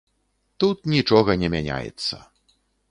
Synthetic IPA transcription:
t̪ut̪̚nʲit͡ʂɔɣɐnʲɛmʲanʲa̰jɛ̰t̪sːɐ̰

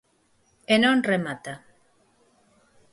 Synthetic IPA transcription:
enonremat̪a

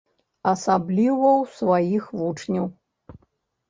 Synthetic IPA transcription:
ɐsablʲivɐwsvajixvut͡ʂnʲɐw

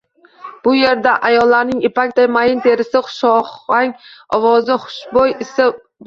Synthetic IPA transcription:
b̥ʊje̞ɾd̪aʔajɒlːaɾnɪŋepakʲt̪ajmajɪnt̪ʰe̞ɾɪsɪχʊ̥ʃɒχaŋɒwɒzɪχʊ̥ʃbojɪsɪ

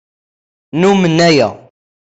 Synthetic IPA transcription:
numənːæjæ̰

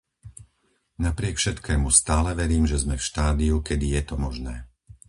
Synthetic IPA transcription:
napɾɪɛkfʃɛt̪kɛːmust̪aːlɛʋɛɾiːmʒɛzmɛfʃt̪aːd̪iukɛd̪ijɛt̪ɔmɔʒnɛː

